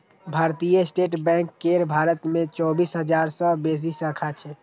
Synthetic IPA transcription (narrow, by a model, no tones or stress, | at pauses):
bʱaːɾt̪ijəsʈeːʈbɛ̃kːeɾbʱaːɾət̪mẽt͡ʃɔːbisɦəd͡ʒaɾsə̃bes̬isəkʰat͡ʃʰɛ